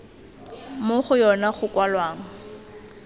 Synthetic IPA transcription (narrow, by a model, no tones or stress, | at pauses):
moχʊjɔnaχʊkwalwaːŋ̩